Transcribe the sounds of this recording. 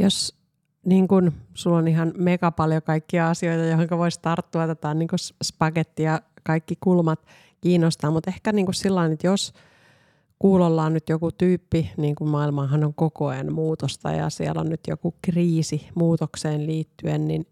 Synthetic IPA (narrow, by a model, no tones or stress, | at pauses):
jos | niːŋkunsulːoniɦɑnmekɑpɑljokɑikːiɑɑsioit̪ɑjohoŋkɑʋoist̪ɑrt̪ːuɑt̪et̪ɑːnniːŋkusspɑket̪ːijɑkɑikːikulmɑt̪ | kiːnːost̪ɑːmmut̪ehkæniːŋkussilːɑinyt̪jos | kuːlolːɑːnnyt̪jokut̪yːpːiniːŋkummɑilmɑːɦɑnoŋkokoenmuːt̪ost̪ɑ̰jɑ̰siɛ̰lo̰nnyt̪jo̰kukriːsimuːt̪okseːnliːt̪ːyennin